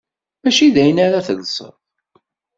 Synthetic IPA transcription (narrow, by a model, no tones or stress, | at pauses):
mæʃiðæjənaɾaθəðsˤə̰ɾð